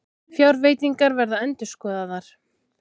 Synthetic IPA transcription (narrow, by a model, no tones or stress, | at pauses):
fjawɾveːjt̪iŋkaɾvɛɾðaɛnt̪ʏɾ̥skɔːðaðaɾ̥